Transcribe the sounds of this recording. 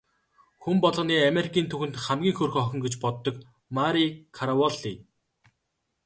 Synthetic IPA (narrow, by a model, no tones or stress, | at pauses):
xumpɔɮʁ̆niːameɾikʰiːnt̪ʰɵxɘ̆nt̪χæmɡʲiːŋxɵrxɔxʲɪ̆ŋɡet͡ɕpɔt̪ːɞ̆k | maɾikʰaɾawɔɮi